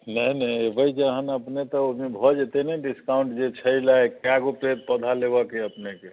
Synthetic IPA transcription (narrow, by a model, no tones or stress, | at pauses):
nəjnəbəjd͡ʒəɦənəpnet̪ɔomebʱɔd͡ʒet̪enɛɖiskawɳʈd͡ʒet͡ʃʰəjlaekjaɡopet̪̚pəd̪ʱalebəkeəpneke